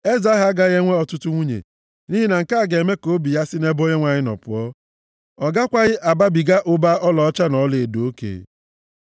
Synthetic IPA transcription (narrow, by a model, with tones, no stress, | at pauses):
e˦za˨˦ɦa˨˦ɡa˦ɣe˦ŋʷe˦ɔ˨tʊ˦tʊ˦ŋʷu˦ɲḛ˨ | ni˦ɦi˦na˨ŋ̩˨ka˦˨ɡe˨me˦ko˦bi˨ja˦sɪ˦ne˦bo˦ɲe˦ŋʷa˨ɲɪ˦nɔ̰˨pʊ̰˨ɔ˦ | ɔ˨ɡa˦kʷa˦ɣɪ˦ʔa˨ba˦bi˨ɡa˦ʔʊ˦ba˦ʔɔ˦lɔ˨ɔ˦t͡ʃa˦nɔ˨˦le˨do˨o˦kḛ˨